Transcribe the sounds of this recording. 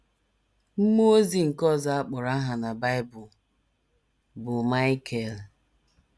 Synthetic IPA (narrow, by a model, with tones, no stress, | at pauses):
m̩˦mo˦zi˨ŋ̩˨kɔ˦˨za˨a˦k͡pʊ˨ɾa˦ɦa˨na˨ba˦ɪ˦bʊ˨l | bʊ˨ma˦ɪ˦kʰe˨l